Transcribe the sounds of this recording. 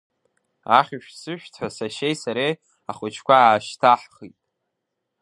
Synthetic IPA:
a̰χʲʊʃᶣsɨʃᶣtʰʷasaʃejsaɾej | aχʷʊt͡ʃʰkʷʰaaːʃtʰaħχitʼ

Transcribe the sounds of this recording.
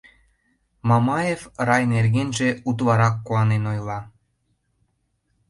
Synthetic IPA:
mɑmɑjefrɑjnerɣenʒĕut̪βɑɾɑkːuɑnenojlˠɑ

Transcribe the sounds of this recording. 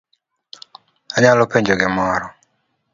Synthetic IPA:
aɲalɔpeɲd͡ʒoɡɪmɔɾɔ

